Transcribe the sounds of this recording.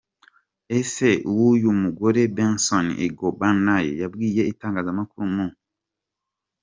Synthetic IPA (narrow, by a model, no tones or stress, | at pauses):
eseuwujumuɡoɾebensonḭɡobanajḛjabɡiːjeitaːŋɡaːzamakuɾumu